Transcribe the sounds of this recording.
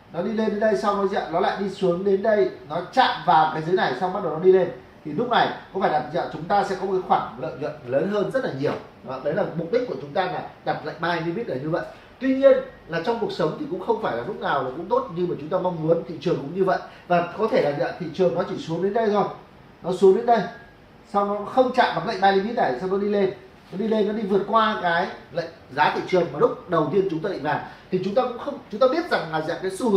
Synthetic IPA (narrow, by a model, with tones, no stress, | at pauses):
nɔ˨˦ɗi˧le˧nɗe˨˦nɗə˧jsa˧wnɔ˨˦za̰ː˧˨ɗɔ˨˦la̰ː˧˨jɗi˧su˨˦əŋɗe˨˦nɗə˧jnɔ˨˦t͡ɕa̰ː˧˨mvaː˨˩wkaː˨˦jzə˨˦jna˨˩jsa˧wŋ͡mɓa˦˥t̚ɗə˨˩wnɔ˨˦ɗi˧le˧n | t̪ʰi˨˩lʊ˦˥k͡p̚na˨˩jkɔ˨˦faː˧˩jɗa˨˩p̚za̰ː˧˨˩t͡ɕʊ˨˦ŋ͡mt̪aː˧sɛ̰˧˥kɔ˨˦mo˨˩ka˨˦xwaː˧˩ŋlə̰ː˧˨jzwə̰˧˨nləː˨˦nɦəː˧nzə˦˥t̚laː˨˩ɲi˨˩əw | ɔ˨˦ɗə˨˦jlaː˨˩mʊ˨˩k͡p̚ɗi˦˥k̚ku˧˩ət͡ɕʊ˨˦ŋ͡mt̪aː˧laː˨˩ɗa˨˩p̚la̰ː˧˨ŋmaː˧jni˧˦ɓt̚ɗəː˨˩ɲɨ˧və̰˧˨j | t̪wi˧ɲi˧ənlaː˨˩t͡ɕɔ˧wŋ͡mku˨˩ək̚sə˨˦wŋ͡mt̪ʰi˨˩kʊ̰˧˥ŋ͡mxə˧wŋ͡mfaː˧˩jlaː˨˩lʊ˦˥k͡p̚naː˨˩wvaː˨˩kʊ̰˧˥ŋ͡mt̪o˦˥t̚ɲɨ˧maː˨˩t͡ɕʊ˨˦ŋ͡mt̪aː˧mɔ˧wŋ͡mmu˨˦ənt̪ʰḭ˧˨t͡ɕɨ˨˩əŋkʊ̰˧˥ŋ͡mɲɨ˧və̰˧˨jvaː˨˩kɔ˨˦t̪ʰe˧˩laː˨˩zə̰ː˧˨t̪ʰḭ˧˨t͡ɕɨ˨˩əŋnɔ˨˦t͡ɕi˧˩su˨˦əŋɗe˨˦nɗə˧jzɔ˧˩ | nɔ˨˦su˨˦əŋɗe˨˦nɗə˧j | sa˧wnɔ˨˦xə˧wŋ͡mt͡ɕa̰ː˧˨mɓa˨˦˩nlə̰˧˨jɓaː˧ɗi˧˩ɓi˦˥t̚ɗaː˧˩˨sa˧wnɔ˨˦ɗi˧le˧n | nɔ˨˦ɗi˧le˧nːɔ˨˦ɗi˧vɨ˨˩ət̚kwaː˧kaː˨˦jlə̰˧˨ŋzaː˨˦t̪ʰḭ˧˨t͡ɕɨ˨˩ənmaː˨˩lʊ˦˥k͡p̚ɗə˨˩wt̪i˧ənt͡ɕʊ˨˦ŋ͡mt̪aː˧ɗḭ˧˩˨laː˨˩t̪ʰi˨˩t͡ɕʊ˨˦ŋ͡mt̪aː˧kʊ̰˧˥ŋ͡mxə˧wŋ͡mt͡ɕʊ˨˦ŋ͡mt̪aː˧ɓi˦˥ət̚za˨˩ŋlaː˨˩za̰˧˨˩kaː˨˦jsu˧h